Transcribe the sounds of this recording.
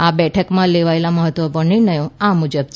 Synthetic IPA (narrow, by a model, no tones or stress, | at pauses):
abɛʈʰəkmãleʋaelaməɦət̪ʋəpuɾɳinəjõãmud͡ʒəbt͡ʃʰ